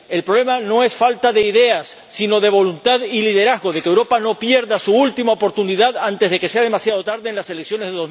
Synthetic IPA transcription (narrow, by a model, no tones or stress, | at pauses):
e̞lpɾoβle̞mano̞e̞sfalt̪aðe̞iðe̞asːino̞ðe̞βo̞lunt̪aðilið̞e̞ɾazɣo̞ð̞e̞kewɾo̞pano̞pje̞ɾðasuult̪imaopo̞ɾt̪uniðaðant̪e̞zðe̞ke̞se̞að̞e̞masjað̞o̞t̪aɾðeːnlase̞leksjo̞nezðeðo